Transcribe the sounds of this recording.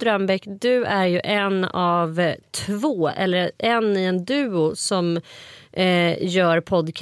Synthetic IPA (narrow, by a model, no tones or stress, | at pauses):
t̪ɾambɛkd̪ɵæɾjɵʔɛnːɑvt̪ʰvoːɛ̰lːəɾʔɛnːɪɛnd̪ʉ̟ːʊsɔm | jœːɾpʰɔd̪kʰ